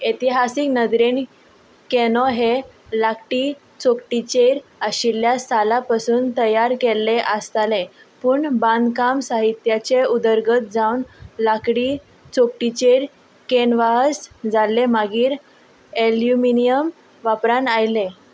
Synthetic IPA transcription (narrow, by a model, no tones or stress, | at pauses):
et̪iɦasiknəd̪ɾen | kenɔɦelakʈiː | t͡sokʈit͡ɕeɾəɕiljasalapasuːnt̪əjaɾkelːeʔəst̪ale | puːɳbãnd̪kamsaɦit̪jat͡ɕeud̪əɾɡət̪̚d͡zawnlakɽiː | t͡sok̚ʈit͡ɕeɾ | kenʋaɦəsd͡zaleməɡiːɾ | eljuminijəm | ʋapɾanajle